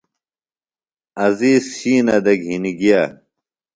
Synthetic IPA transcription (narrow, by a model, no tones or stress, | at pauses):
ɐziːsɕiːnɐd̪ɐɡɦiniɡija